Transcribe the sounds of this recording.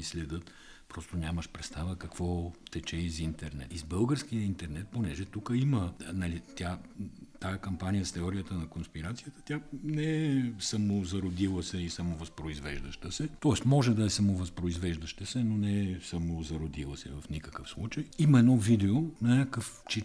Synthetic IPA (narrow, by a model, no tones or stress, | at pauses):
islɛd̪ɤt̪ | pɾɔst̪onʲaməʃpɾɛt̪st̪avəkɐkvɔt̪ɛt͡ʃɛizint̪ɛɾnɛ̰t̪izbɤlˠɡəɾskijəint̪ɛɾnɛt̪̚ponɛʒɛt̪ukəimənɐlit̪ʲjat̪ajəkɐmpanijəst̪ɛɔɾijət̪ənɐkonspiɾat̪sijət̪ə̥t̪ʲjanɛɛsɐmozɐɾod̪ilˠəsɛisɐmovɐspɾoizvɛʒd̪əʃt̪əsɛt̪ɔɛst̪mɔʒɛd̪ɐɛsɐmovɐspɾoizvɛʒd̪əʃt̪əsɛnonɛɛsɐmozɐɾod̪ilˠəsɛvɐfnikəkəfslˠut͡ʃəjimɐɛd̪nɔvid̪ɛonɐnʲakəf | t͡ʃi